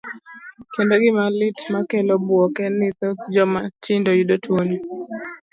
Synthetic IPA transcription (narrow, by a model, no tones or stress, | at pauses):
kendoɡɪmalɪtmakelobwɔkɛnɪt̪ɔd͡ʒɔmatɪndojudotʰwoɲo